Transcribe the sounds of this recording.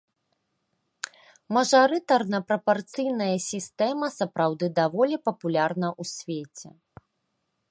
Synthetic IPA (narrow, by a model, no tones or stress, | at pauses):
mɐʐaɾɨt̪ɐrnɐpɾɐpart̪sɨjn̪ɐjɐsʲist̪ɛmɐsɐpɾawd̪ɨd̪avɔlʲipɐpulʲarnɐʔusʲvʲet͡sʲɛ̰